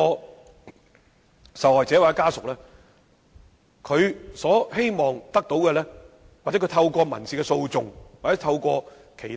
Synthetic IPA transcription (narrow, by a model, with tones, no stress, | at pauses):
sɐ˨wɔː˨jt͡sɛː˨˥waː˨˩ɛ˥kaː˥sʊ˨k̚lɛː˥ | kʰɵ˨˧ɥsɔː˨˥he˥jmɔː˨ŋt̪ɐ˥k̚t̪o˨˥wkɛː˧lɛː˥ | w̚t͡sɛ˨˥kʰt̪ʰɐ˧wkɔː˧mɐ̰˨˩nsiː˨kɛ˧so˧wt͡sʊ˨ŋw̚t͡sɛː˨˥t̪ʰɐ˧wkʷɔː˧ | kʰe˨˩jt